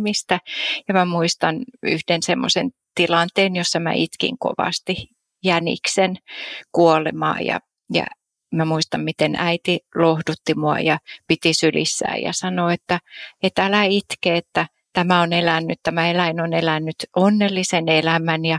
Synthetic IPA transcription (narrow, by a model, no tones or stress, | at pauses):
mist̪æjɑmæmuist̪ɑny̰hd̥ensemːo̰sḛn | t̪ilɑnt̪eːnjosːɑmæ̰ʔit̪kḭŋko̰ʋɑ̰st̪i | jænḭksenkuolḛmɑ̰ːjɑ̰ | jɑ̰ | mæmuist̪ɑmmit̪enæit̪ilohdut̪ːimuɑ̰jɑpit̪isylḭsːæ̰ːjɑ̰sɑnoet̪ːæet̪ælæit̪keet̪ːæ | t̪æmæonelænːytt̪æmæelæinonelænːyt̪ʔonːelːisenelæmænjɑ